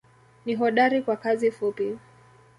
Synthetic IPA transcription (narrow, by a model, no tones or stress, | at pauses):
niɦɔɗaɾikwakazifupi